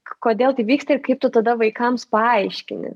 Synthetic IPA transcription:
koːd̪ʲeːlˠt̪ɐɪʋʲiːkst̪ɐɪɾkɐɪp̚t̪ʊt̪ɐd̪ɐʋɐɪkɐmspɐɐɪʃʲkʲɪnʲɪ̰

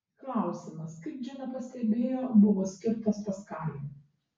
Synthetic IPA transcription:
klˠɑˑʊsʲɪmɐskɐɪp̚d͡ʒʲɛnɐpɐsʲt̪ʲɛbʲeːjoːbʊʋoːsʲkʲɪɾt̪ɐspɐskɑːl

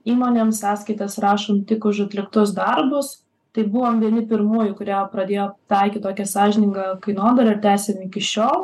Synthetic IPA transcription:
iːmoːnʲeːmssɑːskɐɪt̪ɐsrɑːʃomt̪ʲɪkʊʃɐt̪ʲlʲɪkt̪ʊsd̪ɐɾbʊs | t̪ɐɪbʊʋoːmʋʲiɛnʲɪpʲɪɾmuːjʊkʊɾʲæːjoːpɾɐd̪ʲeːjoːt̪ɐɪkʲtt̪oːkʲɛsɑːʒʲɪnʲɪŋɡɐkɐɪnoːd̪ɐlʲɐɪɾt̪ʲæːsʲemɪkʲɪʃʲoːlˠ

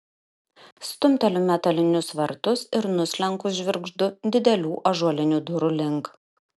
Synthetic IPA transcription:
st̪ʊmʲt̪ɐlʲʊːmʲɛt̪ɐlʲɪnʲʊsʋɐɾt̪ʊsɪɾnʊsʲlʲɛŋkʊʒʲʋʲɪɾɡʒd̪ʊd̪ʲɪd̪ʲɛlʲuːʔɐʒuɔlʲɪnʲud̪ʊɾʊlʲɪŋk

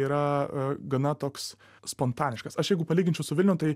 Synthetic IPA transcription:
iːɾɐɡɐnɐt̪oːks | spoːnt̪ɑːnʲɪʃkɐsɐʃjɛɪɡʊpɐlʲiːɡʲɪnʲt͡ʃʲɛʊsʊʋʲɪlʲnʲɛʊt̪ɐɪ

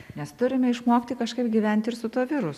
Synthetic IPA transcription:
nʲɛst̪ʊɾʲɪmʲɛɪʃmoːkt̪ʲɪkɐʃkɐɪpɡʲiːʋʲɛnʲt̪ʲɪɾsʊt̪uɔʋʲɪɾʊ

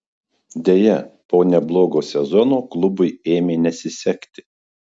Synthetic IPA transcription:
d̪ʲeːjɛpoːnʲɛblˠoːɡoːsʲɛzɔnoːklˠʊbʊɪeːmʲeːnʲɛsʲɪsʲɛkʲt̪ʲɪ̥

